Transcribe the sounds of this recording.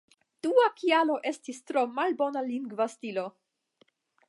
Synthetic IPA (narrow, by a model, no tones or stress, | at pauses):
d̥uakialo̞ʔe̞stistɾomalbo̞naliŋɡvastilo̞